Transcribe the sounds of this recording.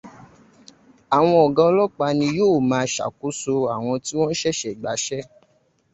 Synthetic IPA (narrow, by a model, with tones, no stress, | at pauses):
a˨w̃ɔ̃˧ɔ˨ɡã˧˦lɔ˦k͡pa˧nĩ˧joː˦˨mãː˨˧ʃa̰˨ku˨˦so˧a˨w̃ɔ̃˧ti˦w̃ɔ̃˦n̩˦ʃɛ˦ʃɛ˨ɡ͡ba˨˦ʃɛ˦